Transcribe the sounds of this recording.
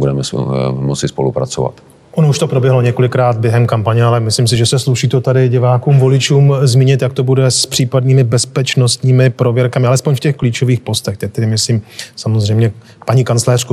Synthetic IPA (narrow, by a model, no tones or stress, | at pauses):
budɛmɛsmot͡sɪspolupɾa̰t͡sova̰t̪ | ʔonouʃt̪o̞pɾobjɛɦloɲɛko̞lɪkɾaːd̪̚bjɛɦɛmkampaɲɛalɛmɪslims̬ɪʒɛsɛsluʃiːt̪ot̪adɪɟɪvaːkuːmvo̞lɪt͡ʃuːmzmiːɲɪt̪jak̚t̪o̞budɛspr̥iːpadniːmɪbɛspɛt͡ʃno̞st̪ɲiːmɪpɾo̞vjɛɾkamɪalɛspoɲfcɛxkliːt͡ʃo̞viːxpo̞st̪ɛkt̪ɛt̪ɛdɪmɪsliːmsamozrɛjmɲɛ | paɲiːkant͡slɛːr̝̥ku